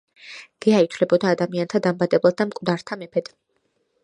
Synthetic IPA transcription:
ɡ̥ɛait̪ʰvlɛbɔd̪aːd̪amiant̪ʰad̪ambad̪ɛblˠat̪̚d̪amkʼvd̪aɾt̪ʰamɛpʰɛd̪̥

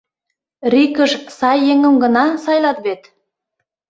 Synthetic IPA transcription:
rikəʃsɑjːeŋə̆mɡə̆nɑsɑjlɑt̪βet̪

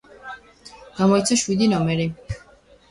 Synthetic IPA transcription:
ɡ̥amɔit̪sʰaʃwid̪inɔmɛɾi

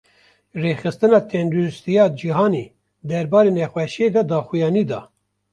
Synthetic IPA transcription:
reːxɨst̪ɨnɑːt̪ʰɛnd̪uɾɨst̪ijɑːd͡ʒiɦɑːniː | d̪ɛɾbɑːɾeːnɛxwɛʃed̪ɑd̪ɑːxujɑːniːd̪ɑ̰ː

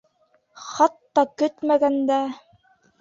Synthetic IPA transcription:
χɑt̪ːɑkɵt̪mæɡænd̪æ

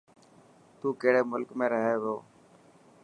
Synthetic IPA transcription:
t̪uːkeːɽeːmʊlkmẽːɾəɦeːʋjoː

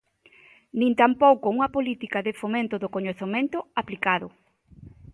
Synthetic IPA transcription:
nĩnt̪ampowkouŋɐpolit̪ikaðefomẽnt̪ʊðokoɲoθemẽnt̪ʊaplikaðʊ

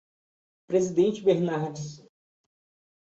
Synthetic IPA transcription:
pɾezid̪ẽt͡ʃɪbeɾnaɾd͡ʒis

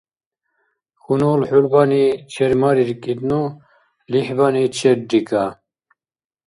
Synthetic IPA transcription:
xunoːlħulbanit͡ʃʰeɾmaɾiɾkʼid̪nu | liħbanit͡ɕʰeɾɖika

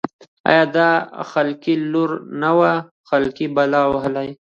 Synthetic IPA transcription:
a̰jaːd̪axɐlkiluɾnawa | xɐlkibɐlaːwɦɐlaj

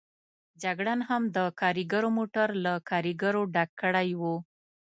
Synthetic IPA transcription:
d͡ʒaɡɽanhamd̪əkɑɾiɡaɾomoʈaɾlakʰɑɾiɡaɾoɖakːəɽajwo

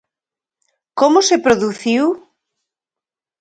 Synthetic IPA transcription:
komosepɾoðuθiw

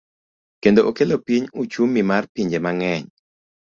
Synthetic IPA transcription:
kendoʔokelopiɲut͡ʃumːimarpiɲd͡ʒemaŋɛɲ

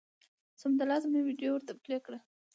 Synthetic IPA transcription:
sʊmd̪alɑzmewiɖjowəɾt̪aplekɽa

